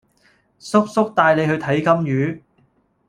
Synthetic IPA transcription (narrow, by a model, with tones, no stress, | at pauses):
sʊ˥k̚sʊ˥k̚t̪aː˧jle˨˧jhɵ˧ɥt̪ʰɐ˨˥jkɐ˥mjyː˨˧˥